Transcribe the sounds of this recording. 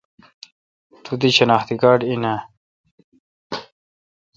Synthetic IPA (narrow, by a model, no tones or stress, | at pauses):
t̪ʰut̪iɕɐnaːxt̪ikaːɖina